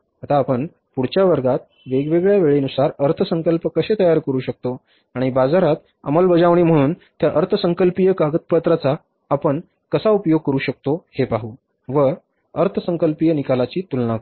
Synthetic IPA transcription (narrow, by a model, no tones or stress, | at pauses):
at̪aːpəɳ | puɽ̤t͡ɕjaʋəɾɡat̪̚ | ʋeɡʋeɡɭjaʋeɭenusaɾəɾt̪ʰəsəŋkəlpəkəɕet̪əjaɾkəɾuːɕək̚t̪o | aɽ̃ibad͡zaɾat̪ | ə̰məlbəd͡zaʋɳ̃iːm̤əɽ̃uːnt̪jaʔəɾt̪ʰəsəŋkəlpijəkaɡət̪̚pət̪ɾat͡saː | pəɳ | kəsaupjoɡ̚kəɾuːɕək̚t̪ohepaɦuː | ʋə | əɾt̪ʰəsəŋkəlpijənikalat͡ɕiːt̪ulnak